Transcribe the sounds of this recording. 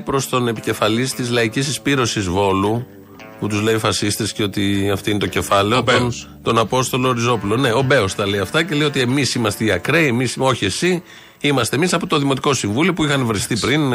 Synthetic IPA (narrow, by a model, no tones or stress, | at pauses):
pɾo̞st̪o̞ne̞pice̞fɐlist̪izlɐicisispiɾo̞sizvo̞lu | put̪uzle̞ifɐsist̪esceo̞t̪iɐft̪oint̪o̞ce̞fɐle̞oton | t̪o̞nɐpo̞st̪o̞loːɾizo̞pulo̞ne̞o̞be̞ost̪ɐleiɐft̪ɐce̞le̞jot̪ie̞misimɐst̪eiɐkɾeiemiso̞çie̞si | imɐst̪emisɐpot̪o̞ðimo̞t̪i̥ko̞siɱvuliopuixɐnvɾest̪ipɾin